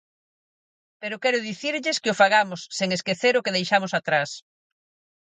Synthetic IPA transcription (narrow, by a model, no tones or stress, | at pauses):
peɾʊkɛɾʊðiθiɾʎɪskɪʊfaɣamʊsːeŋeskeθeɾʊkeðejʃamʊsat̪ɾas